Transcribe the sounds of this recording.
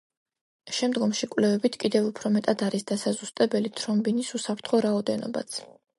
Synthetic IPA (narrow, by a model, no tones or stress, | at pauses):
ʃɛmd̪ɡɔmʃikʼwvlɛvɛbit̪ʰkʼid̪ɛvupʰɾɔmɛt̪ʼad̪aɾisd̪asazust̪ʼɛbɛlit̪ʰɾɔmbinisusapʰɾt̪ʰχɔɾaɔd̪ɛnɔ̰ba̰t̪sʰ